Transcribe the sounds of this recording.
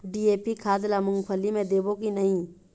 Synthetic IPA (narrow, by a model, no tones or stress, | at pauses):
ɖiːeːpikʰaːd̪lamʊ̃ŋɡpʰəlːimẽd̪eːbokinəɦĩː